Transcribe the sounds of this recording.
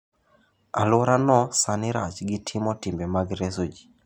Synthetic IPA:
a̰lɔɾanɔsanɪɾa̰t͡ʃɡɪtʰɪmɔtɪmbɛmaɡɾesod͡ʒi̥

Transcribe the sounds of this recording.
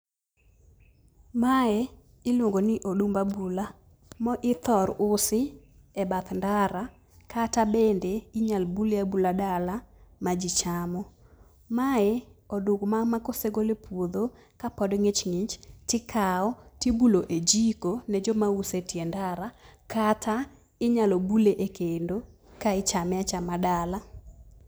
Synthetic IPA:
maɛ | ɪlwoŋɡonɪʔodumbabula | mɔʔɪt̪ɔɾʊsɪ | ɛbat̪ndaɾa | katabendeiɲalbulabuladalamad͡ʒit͡ʃamɔ | maɛɔduɡmaŋmakoseɡolepwod̪o | kapɔdŋet͡ʃŋit͡ʃtɪkʰaɔtibuloʔed͡ʒikonɛd͡ʒɔmausetjɛndaɾakata | ɪɲalɔbuleʔekendo | kaɪt͡ʃamɛat͡ʃamadala

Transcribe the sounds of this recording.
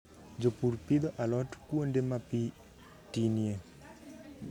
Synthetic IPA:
d͡ʒopuɾpid̪ɔʔalɔtkwondemapi | tinje

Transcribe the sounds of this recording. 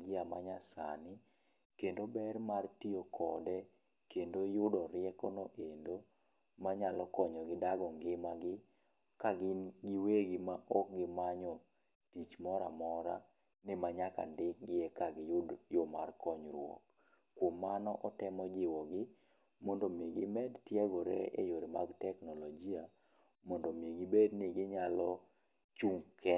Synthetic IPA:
ɡɪamaɲasa̰nɪ | kendobɛrmartiokʰɔdɛ | kendojʊdɔɾɪɛkɔnoʔendo | maɲalɔkɔɲɔɡɪdaɡɔŋɡɪmaɡɪ | kaɡɪɡɪweɡɪmaʔɔk̚ɡɪmaɲɔ | tit͡ʃmɔɾa̰mɔɾa | nɛmaɲaka̰ndɪk̚ɡɪjɛkaɡɪjʊdjomarkɔɲɾwɔ̰k | kːwmːanɔʔɔtɛmɔd͡ʒɪwɔɡɪ | mɔndomjeɡimɛdtjɛɡɔɾɛ̰ḛjoɾima̰ɡtɛknɔlɔɡia | mɔndɔmjeɡibednɪɡɪɲalɔ | t͡ʃuŋkɛ

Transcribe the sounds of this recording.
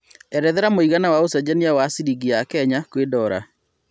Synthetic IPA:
ɛɾɛðɛɾamoiɣanawaosɛd͡ʑɛniawasiɾiɡiakɛɲakwedɔɾa̰

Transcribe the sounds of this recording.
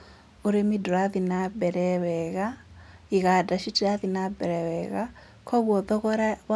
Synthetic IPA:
oɾemidoɾaðinabɛɾɛwɛɣaiɣadaʃitiɾaðinabɛɾɛwɛɣa | kʰɔɣwɔðɔɣɔɾaβ

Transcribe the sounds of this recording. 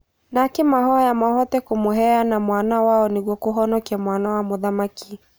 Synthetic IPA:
nakemaɦɔjamahɔtɛkomoɦɛanamwanawaɔneɣwɔkoɦɔnɔkiamwanawamoðamaki

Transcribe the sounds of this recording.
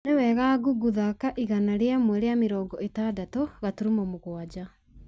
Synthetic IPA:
newɛɣaːɣuɡuðakaʔiɣanaɾeamwɛɾeameɾɔːɡɔetadatoɣatuɾumɔmoɣwad͡ʑa

